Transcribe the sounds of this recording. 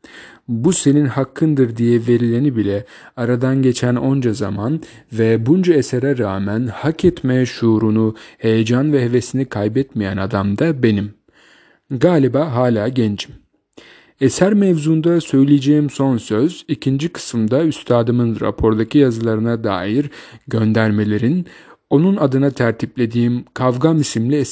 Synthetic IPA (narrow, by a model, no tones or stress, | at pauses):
buse̞ninhakʰːɯnd̪ɯɾd̪ijɛve̞ɾilʲenibilʲɛ | aɾad̪anɟe̞t͡ʃʰæno̞nd͡ʒaza̰man | vɛbund͡ʒaeseɾɛɾaːmænhakʰɛt̪meʃuːɾunuhe̞jed͡ʒanvɛɦe̞ve̞sinikʰajbɛt̪mijænad̪amd̪abe̞nim | ɡaːlʲibaːɦaːlʲaːɟɛnd͡ʒim | esæɾmɛvzuːnd̪asø̞jlʲijed͡ʒe̞jimso̞nsøzicʰind͡ʒikʰɯ̥sɯmd̪ayst̪ʰaːd̪ɯmɯnɾa̰pʰo̞ɾd̪acʰijazɯlˠaɾɯnad̪a̰ːjiɾɟø̞nd̪æɾme̞lʲe̞ɾino̞nunad̪ɯnat̪ʰæɾt̪ʰiplʲe̞d̪iːimkʰavɡamisimlʲiɛ